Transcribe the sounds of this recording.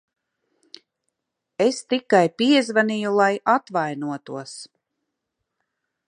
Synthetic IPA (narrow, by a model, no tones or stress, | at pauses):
est̪ikːajpiɛzvanijulˠajat̪vajnuɔt̪uɔs